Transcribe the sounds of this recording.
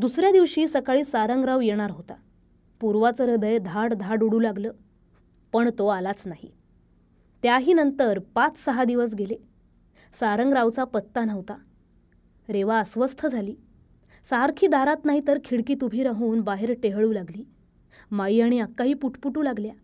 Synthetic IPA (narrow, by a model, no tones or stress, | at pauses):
d̪usɾjad̪iʋɕiːsəkaɭiːsaɾəŋɡɾaʋjeɽ̃aɾɦot̪a̰ | puɾʋat͡səɾəd̪əjd̪ʱaɽd̪ʱaɖuɽuːlaɡləː | pəɳt̪oalat͡snaɦḭ | t̪jaɦiːnənt̪əɾpat͡ssəɦad̪iʋəs̬ɡele | saɾəŋɡɾaʋt͡sapət̪ːanəʋt̪a | ɾeʋaəsʋəst̪ʰəd͡zʱaliː | saɾkʰiːd̪ʱaɾat̪naɦit̪əɾkʰiɽkiːt̪ubʱiːɾaɦuːnbaɦeɾʈeɦɭuːlaɡliː | maiːaɽ̃iakːaɦiːpuʈʰpuʈuːlaɡlja